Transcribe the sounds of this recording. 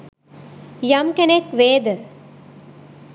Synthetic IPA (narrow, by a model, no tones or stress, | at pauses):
jɐmkenekʋeːd̪ə